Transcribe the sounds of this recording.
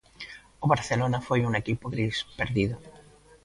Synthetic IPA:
oβaɾθelonafojuŋekipoɣɾispeɾðiðo

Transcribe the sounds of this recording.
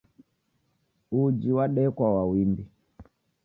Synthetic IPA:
ud͡ʒiwaɗɛkwawawimbi

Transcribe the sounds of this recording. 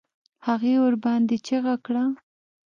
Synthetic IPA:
haɣeoɾbɑnd̪et͡ʃeɣakɽa

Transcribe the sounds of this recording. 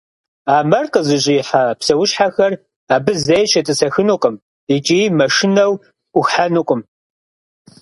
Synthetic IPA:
aːmɐrqʼəzɨʑʼɪjːħapsɐwʊɕħaxɐr | aːbɨzejɕɐtʼɨsɐxɨnuqʼəm | it͡ʃʼiːmɐʂɪnɐwʷ | ʊxħanɨqʷʼʊm

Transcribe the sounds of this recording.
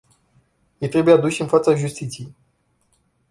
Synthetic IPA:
jejt̪ɾe̞bujead̪uʃɨnfat̪saʒust̪it̪sijej

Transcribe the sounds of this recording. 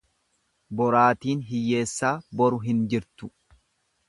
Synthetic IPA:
bɔɾaːt̪iːnɦɪjːe̞ːsːaːbɔɾʊɦɪnd͡ʒɪɾt̪ʊ̥

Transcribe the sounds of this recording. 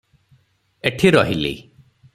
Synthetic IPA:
eʈʰiɾɔɦilḛ

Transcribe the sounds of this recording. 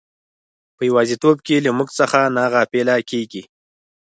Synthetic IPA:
pəjawɑzet̪ob̚kelamuɡt͡səxanɑɣapelakeɡi

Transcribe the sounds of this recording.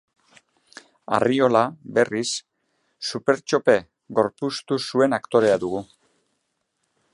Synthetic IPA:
a̰rio̞labe̞risː | upe̞ɾt͡ʃo̞pe̞ | ɣo̞ɾpust̪usue̞nakt̪o̞ɾe̞aðuɣu

